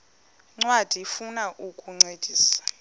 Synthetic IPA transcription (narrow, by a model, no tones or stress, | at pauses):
ŋ͡ǀwad̥ʱifunaʔukʼuŋ͡ǀed̥ʱiːsḁ